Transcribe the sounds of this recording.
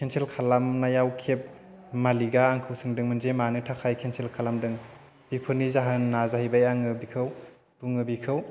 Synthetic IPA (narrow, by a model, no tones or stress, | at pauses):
kʰenselkʰalamnajawkʰep̚ | maliɡaːŋkʰɯwsɯŋdɯŋmɯnzemanɯtʰakʰajkʰensʰelkʰalamdɯŋ | b̥ipʰɯnizaɦɯnːazaɦijbajaŋɯbikʰɯw | duŋɯbikʰɯw